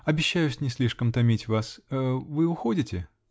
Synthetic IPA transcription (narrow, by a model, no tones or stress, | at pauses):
ɐbʲɪɕːæjʊsʲnʲɪsʲlʲiʂkəmt̪ɐmʲitʲvasəvɨʊxo̞dʲɪtʲɪ